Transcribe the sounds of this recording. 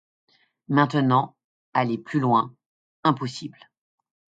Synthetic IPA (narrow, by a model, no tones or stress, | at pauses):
mɛ̃t̪ənɑ̃ | aleplylwɛ̃ | ɛ̃pɔsibl